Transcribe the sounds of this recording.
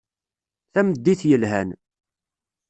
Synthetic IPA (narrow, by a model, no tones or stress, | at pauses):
θæməd̪ːiθjəlɦæn